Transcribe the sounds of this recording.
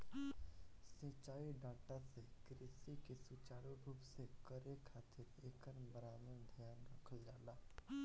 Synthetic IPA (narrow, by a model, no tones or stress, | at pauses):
sĩːt͡ʃaːiɖãːʈasekɾɪsikesut͡ʃaːɾobʱubsekəɾekʰaːt̪ʰɪɾeːkəɾmbəɾaːnəd̪ʱjaːnɾəkʰəld͡ʒaːlaː